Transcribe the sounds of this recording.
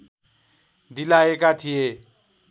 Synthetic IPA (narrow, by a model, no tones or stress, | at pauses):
d̪ilaekat̪ʰije